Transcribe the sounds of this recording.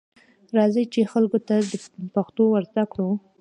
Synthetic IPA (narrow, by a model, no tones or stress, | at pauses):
ɾɑzəjt͡ʃexalɡot̪ad̪əpaxt̪owəɾzd̪akɽu